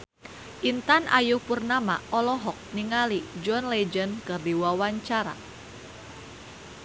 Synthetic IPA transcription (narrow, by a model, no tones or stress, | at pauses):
ʔint̪anʔa̰jupurnama̰ʔɔlɔɦɔk̚niŋalid͡ʒɔnled͡ʒənkɨrdiwawaɲt͡ʃaɾa̰